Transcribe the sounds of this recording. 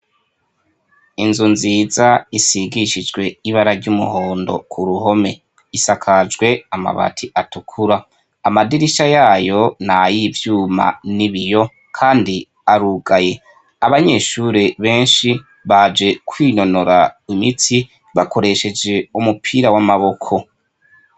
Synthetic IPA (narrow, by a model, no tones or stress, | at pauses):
inzunziːzaisiɡiʃid͡ʒɡwe̞iβaɾaɾɟumṵhoːndo̞̰kʰuɾuho̞me̞ | isakʰad͡ʒɡwe̞ama̰βa̰tʰiʔatukʰuɾaː | madiɾiʃajaːjo̞najivjuːma̰niβijo̞ | kʰaːndi | aɾuɡaje̞ | aβaɲe̞ʃuɾeβe̞ːnʃi | βad͡ʒe̞kʰwiːno̞noɾaimit͡si | βako̞ɾe̞ʃe̞d͡ʒe̞umupʰiːɾawamaβo̞kʰo̞